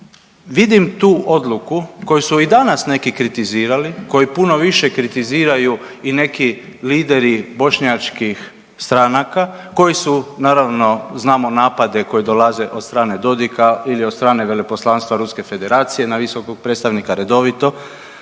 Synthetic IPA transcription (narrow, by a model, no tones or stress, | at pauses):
ʋid̪imt̪uːʔo̞d̪lukuko̞jusuid̪anasne̞kikɾit̪iziːɾaliko̞jipuno̞ʋiʃe̞kɾit̪iziːɾajuine̞ki | liːd̪e̞ɾibo̞ʃɲat͡ʃkix | st̪ɾanaka | ko̞jisunaːɾaʋno̞znaːmonaːpad̪e̞ko̞jid̪olaze̞ʔod̪st̪ɾaːne̞d̪o̞d̪ikailiod̪st̪ɾaːne̞ʋe̞lepo̞slˠanst̪ʋaɾuske̞fe̞d̪e̞ɾaːt̪sije̞naʋiso̞koɡ̚pɾet̪st̪aʋnikaɾe̞d̪o̞ʋit̪o̞